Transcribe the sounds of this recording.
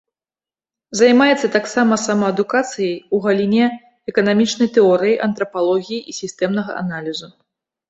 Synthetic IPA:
zajmajɛt̪sːɐt̪aksamɐsamɐɐd̪ukat̪sɨjɐjuɣɐlʲinʲɛ | ɛkɐnamʲit͡ʂnɐjt̪ɛɔɾɨjiʔɐnt̪ɾɐpalˠɔɣʲijiʔisʲist̪ɛmnɐɣɐ̰ʔa̰nalʲizu

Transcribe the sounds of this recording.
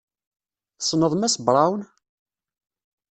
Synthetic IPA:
sˤnəðˤmæsbɾˤɑwn

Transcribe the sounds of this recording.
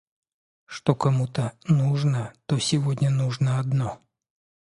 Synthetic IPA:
ʂt̪okɐmut̪ənuʐnət̪osʲɪvodʲnʲənuʐnəɐd̪no

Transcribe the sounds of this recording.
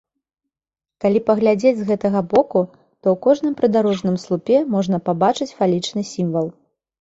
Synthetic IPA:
kalʲipɐɣlʲad͡zʲed͡zʲzɣɛt̪ɐɣɐbɔku | t̪ɔwkɔʐn̪ɨmpɾɨd̪aɾɔʐnɨmslˠupʲɛmɔʐnɐpabat͡ʂɨt͡sʲfalʲit͡ʂnɨsʲimvɐlˠ

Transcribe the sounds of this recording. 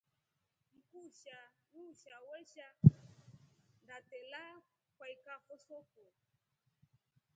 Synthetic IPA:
ŋ̩kuʃamuʃawɛʃa | ndatɛla | kwaikahɔsɔkɔ

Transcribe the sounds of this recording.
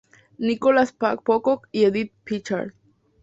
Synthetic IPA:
nikolaspak̚pokokieðit̪̚pit͡ʃa̰ɾd̪

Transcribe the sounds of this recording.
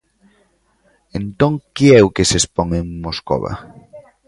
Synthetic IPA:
ent̪õŋkeɛʊkesespɔŋeŋmosko̰βa̰

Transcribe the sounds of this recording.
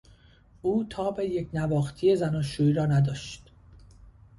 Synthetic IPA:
uːt̪ʰɒːbe̞jecnævɒːxt̪ʰije̞zænɒːʃuːiːɾɒːnæd̪ɒːʃt̪

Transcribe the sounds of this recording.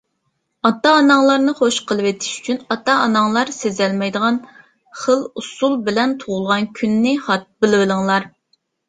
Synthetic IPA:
ɑt̪ːɑːnɑŋlˠɑɾnɨχoʃqʰəlˠɨwet̪ʰɪ̥ʃy̥t͡ʃʰynɑt̪ɑːnɑŋlˠɑɾsezɛlmɛjd̪əʁɑn | χəlˠusulˠbɪlɛnt̪ʰoʁʊlˠʁɑnkʲʰynːɪχɑt̪̚bɪlɪwɪlɪŋlˠɑɾ

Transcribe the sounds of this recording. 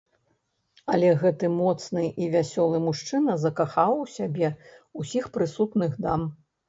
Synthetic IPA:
ɐlʲɛɣɛt̪ɨmɔt̪snɨʔivʲasʲɔlˠɨmuʂt͡ʂɨnɐzɐkaxawwsʲabʲɛusʲixpɾɨsut̪nɨɣd̪am

